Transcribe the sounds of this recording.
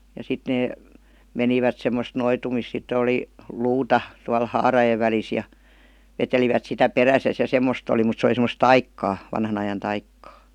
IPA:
jɑ sit neː meniʋæt semːost noitumis sitːə oli luːtɑ tuɑl hɑːrɑjeʋ ʋælis jɑ ʋeteliʋæt sitæ peræsæs jɑ semːost oli mut se oli semˑə̆s tɑikːɑː ʋɑnhɑn ɑjɑn tɑikːɑː

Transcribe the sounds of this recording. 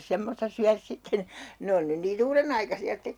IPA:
semːostɑ syærs sitːen ne on nyn niːn uːrenɑikɑsiɑ stek

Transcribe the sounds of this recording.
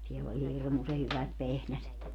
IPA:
sielː olʲ hirmuse hyʋæt ʋehnæset

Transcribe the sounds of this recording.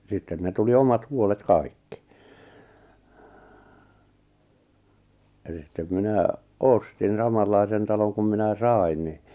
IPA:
sitːen ne tuli omɑt huolet kɑikːi̥ elis sitːem minæ ostin sɑmɑlːɑisen tɑloŋ kum minæ sɑˑi̞n ni

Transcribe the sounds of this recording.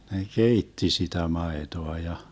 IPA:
ne keitːi sitæ mɑetoɑ jɑ

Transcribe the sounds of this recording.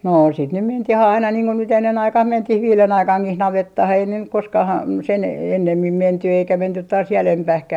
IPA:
noː sit nym mentih ɑinɑ niːŋ ko nyt enːen ɑikɑh mentih ʋiːlen ɑikɑŋkih nɑʋetːɑh ei ne nyk koskɑh ɑm sen enːemːim menty eikæ mentyt tɑːs jælempæhkæh

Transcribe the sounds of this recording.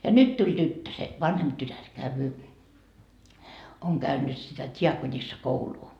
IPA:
jɑ nyt tulʲ tytːø se ʋɑnhemp tytær kæyʋyː oŋ kæynːyt sitæ tʲiɑkonisːɑkouluː

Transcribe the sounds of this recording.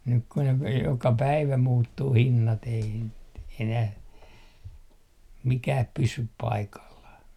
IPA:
nyk ku ne ʋ jokɑ pæiʋæ muːtːuː hinːɑt ei n enæh mikæːp pysyp pɑikɑlːɑh

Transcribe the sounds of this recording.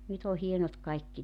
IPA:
nyt o hienot kɑikːi

